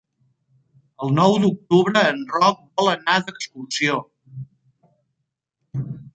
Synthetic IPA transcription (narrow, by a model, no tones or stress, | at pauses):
əlˠnɔwd̪uk̚t̪uβɾəːnrɔk̚bɔlənaðəkskulsio